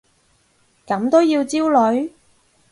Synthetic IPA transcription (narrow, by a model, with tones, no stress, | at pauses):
kɐ˨˥mt̪o˥wjiː˧wt͡siː˥wlɵ˨˥ɥ